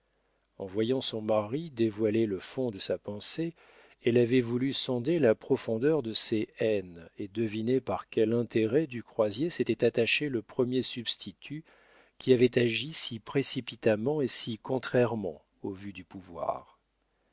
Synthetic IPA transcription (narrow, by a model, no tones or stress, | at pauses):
ɑ̰̃vwajɑ̃sɔ̃maʁid̪evwaleləfɔ̃d̪əsapɑ̃se | ɛlavɛvulysɔ̃d̪elapχɔfɔ̃d̪œʁd̪əseɛned̪əvinepaʁkʲɛlɛ̃t̪eʁɛd̪ykχwazjeset̪ɛt̪at̪aʃeləpχəmjesybst̪ʰit̪ʰy | kʲiavɛt̪aʒisipχesipit̪amɑ̃esikɔ̃t̪χɛʁmɑ̰̃ | ovyd̪ypuvwa̰ːʁ